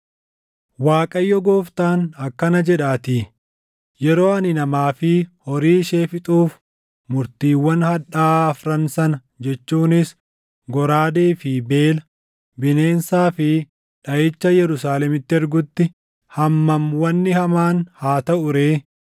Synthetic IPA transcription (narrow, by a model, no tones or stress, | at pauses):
waːkʼɐjːɔɡoːft̪aːnɐkːɐnɐd͡ʒɛᶑaːt̪i | jɛɾo̞ːɐnɪnɐmaːfɪhɔɾiːʃe̞ːfɪt̪ʼuːf | mʊɾt̪iːwːɐnhɐᶑaːɐfɾɐnsɐnɐ | d͡ʒɛt͡ʃːuːnɪs | ɡɔɾaːd̪eːfɪbe̞ːlɐ | bɪneːnsaːfɪ | ᶑɐjɪt͡ʃːɐjɛɾʊsaːlɛmɪt̪ːɪɛɾɡʊt̪ːɪ | hɐmːɐmwɐnːɪhɐmaːnhaːt̪ɐʔʊɾeː